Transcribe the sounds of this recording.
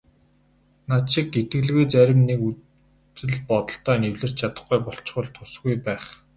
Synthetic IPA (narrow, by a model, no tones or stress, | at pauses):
naʃɪ̆ket̪ɡɘ̆ɮɣeːt͡sæɾʲɪ̆mneku | t͡sɘ̆ɮpɔt̪ɞ̆ɬt̪œːnewɮɘ̆r̥t͡ɕt͡ɕʰat̪ə̆χɡujpɔɬt͡ɕχʊ̆ɮt̪ʰʊsɡujpæːχ